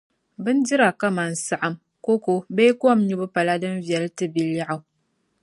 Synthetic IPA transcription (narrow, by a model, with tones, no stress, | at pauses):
bɨ˦n̩˦di˦ɾa˨ka˦ma˨n̩˨sa˨ʔa˦m | ko˦ko˦be˦ku˦a˦˨m˦ɲu˦bɨ˦pa˨la˦dɨ˦n˦vjɛ˨ltɨ˦bi˨la˦ʔa˨˦